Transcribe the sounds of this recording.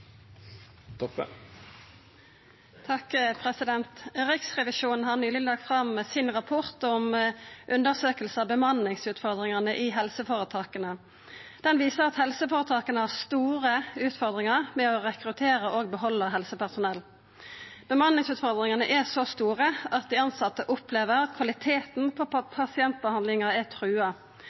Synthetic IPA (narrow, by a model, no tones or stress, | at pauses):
t̪ʰɑkpʰʁɛsɪd̪ɛnt̪ʁɪksʁɛʋɪʃuːnn̩ɦɑʁnyːlɪlɑːɡ̚t̪fʁɑmsɪnʁɑpʰɔʁt̪ɔmʔʉnd̪əʁsøːkəlsɑbəmɑnːɪŋsʉːt̪fɔʁd̪ʁɪŋɑnəʔɪɦɛlsəfoːʁət̪ʰɑːkənə | d̪̥ɛnʋiːsəʁɑt̪hɛlsəfoːɾət̪ʰɑːkənəhɑʁst̪uːɾəʉːt̪fɔɾd̪ʁɪŋɑʁmɛɔɾɛkɾʉt̪ʰeːɾəʔoːɡ̚bəɦɔlːəɦɛlsəpʰæsʊnɛlː | b̥əmɑnːɪŋsʉːt̪fɔɾd̪ɾɪŋɑnəʔɛsost̪uːʁəɑt̪̚d̪ɪɑnsɑt̪ːəʔʊpleːʋəɾɑt̪kʰʋɑlɪt̪ʰeːt̪n̩pʰɔpʰɑsɪɛnt̪̚bəhɑnd̪lɪŋəɛt̪ʰɾʉːɑ